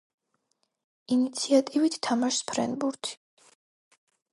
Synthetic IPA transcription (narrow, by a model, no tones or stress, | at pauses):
init̪sʰiat̪ʼivit̪ʰt̪ʰːamaʃspʰɾɛ̰nbuɾt̪ʰi̥